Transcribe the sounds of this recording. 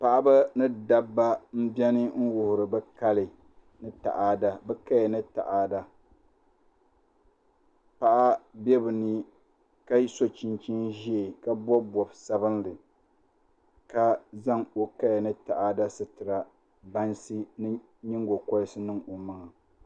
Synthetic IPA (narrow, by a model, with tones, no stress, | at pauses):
pa˨ʔa˦ba˦nɨ˦da˦bːa˦m̩˦bɛ˦nɨ˦ŋ̩˦wʊ˨hʊ˨ɾɨ˨bɛ˦ka˦lɪ˨ | nɨ˦ta̰˨ʔaː˦da˦bɛ˦ka˦jɛ˨nɨ˦ta̰˨ʔaː˨da˦ | pa˨ʔa˦bɛ˦bɨ˨nɨ˦ | ka˦so˨t͡ʃi˨nt͡ʃi˦nʒi˦e˨ka˦bɔ˦bɔ˨bsa˦bɨ˦nlɨ˨ | ka˦za˦ŋo˨ka˦jnɨ˦ta˨ʔa˨da˦sɨ˨tɨ˨ɾa˨ | ba˦nsɨ˦nɨ˦ | ɲi˦ŋɡo˨kɔ˦sɨ˦nɨ˦ŋo˨ma˦ŋa˨